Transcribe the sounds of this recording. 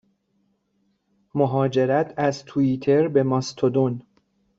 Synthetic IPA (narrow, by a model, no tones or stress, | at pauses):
moɦɒːd͡ʒe̞ɾæt̪ʰæzt̪ʰuiːt̪ʰe̞ɾbe̞mɒst̪ʰod̪on